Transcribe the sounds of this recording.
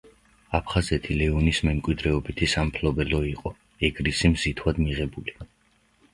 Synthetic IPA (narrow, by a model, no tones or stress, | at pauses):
apʰχazɛt̪ʰilɛɔnismɛmkʼwid̪ɾɛɔbit̪ʰisampʰlɔbɛlɔiqʼɔ | ɛɡɾisimzit̪ʰwad̪miʁɛbuli